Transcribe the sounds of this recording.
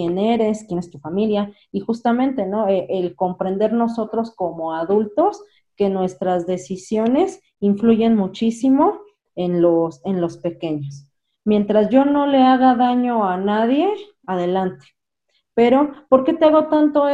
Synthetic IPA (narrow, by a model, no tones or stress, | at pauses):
jeneɾe̞skjene̞st̪ufamilja | ixust̪amẽ̞nt̪e̞no̞eʔelko̞mpɾe̞nd̪e̞ɾno̞so̞t̪ɾo̞sko̞mo̞aðult̪o̞s | ke̞nwe̞st̪ɾazðe̞sisjo̞ne̞s | iɱfluʝe̞nmut͡ʃisimo̞ | enlo̞se̞nlo̞spe̞ke̞ɲos | mje̞nt̪ɾazʝo̞no̞le̞aɣaðaɲo̞anaðje̞ | aðe̞lant̪e̥ | pe̞ɾo̞poɾke̞t̪eaɣo̞t̪ant̪o̞